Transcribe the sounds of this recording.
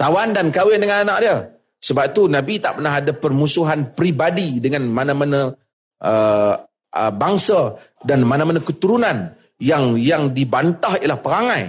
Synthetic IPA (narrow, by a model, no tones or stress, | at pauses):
t̪awandankawɪndəŋananaʔ̚diə | səbap̚t̪unabit̪aʔpərnaɦadapərmusuɦanpɾibadidəŋanmanamanə | ʔə | ʔəbaŋsadanmanamanakət̪uɾunan | jaŋjaŋdibant̪aɦiəlahpəɾaŋaj